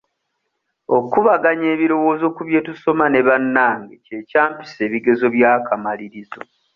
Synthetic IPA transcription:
o̞kuβaɡaɲe̞ːβiɾo̞wo̞ːzo̞kuβje̞tuso̞mane̞βanːaːŋɡece̞caːmpi̥se̞ːβiɡe̞zo̞βjaːkʰamaliɾizo

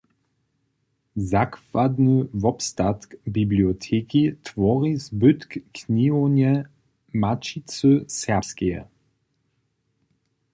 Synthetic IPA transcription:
zakvad̪nəvɔpst̪at̪kbibliɔt̪ʰeːkit̪vɔʁizbʏt̪kːnionɛ | mat͡ʃit͡søsɛʁpskɛjɛ̰

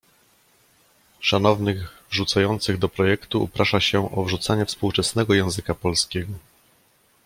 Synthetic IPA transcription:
ʂan̪ɔvnɘɣvʐut̪sajɔnt̪sɘɣd̪ɔpɾɔjɛkt̪ṵːpɾaʂaɕɛʔɔvʐut̪saɲɛfspuwt͡ʂɛsnɛɡɔjɛ̃w̃zɘkapɔlskʲɛɡɔ

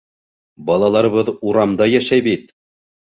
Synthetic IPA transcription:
bɑlˠɑlˠɑɾɤ̆βɤðuɾɑmd̪ɑjæʃæjbit̪̚

